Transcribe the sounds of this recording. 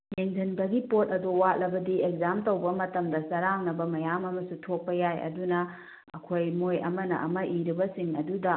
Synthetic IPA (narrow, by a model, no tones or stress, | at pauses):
meŋd͡ʒʱɐnbɐɡipot̚ɐduwat̚lɐbɐdiekzamtowbɐmɐtɐmdɐsɐɾaŋnɐbɐmɐjamɐmɐsutʰok̚pɐjajɐ̰dunɐ | ɐ̰kʰojmojɐ̰mɐnɐ̰ʔɐ̰mɐʔiɾibɐsiŋɐdudɐ